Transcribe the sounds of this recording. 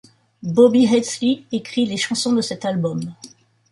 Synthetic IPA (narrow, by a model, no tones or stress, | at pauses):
bɔbiʁɛt̪sliekχileʃɑ̃sɔ̃d̪əsɛt̪albɔm